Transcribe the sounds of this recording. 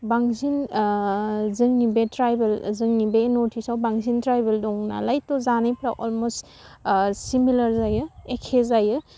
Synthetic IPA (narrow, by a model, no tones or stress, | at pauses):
baŋzin | zɯŋnibetɾajbelzɯŋnibenotʰisawbaŋzintɾajbeldɔŋna̰lajtːɔzanajpʰɾaʔɔlmos | similɐɾzajɯekʰezajɯ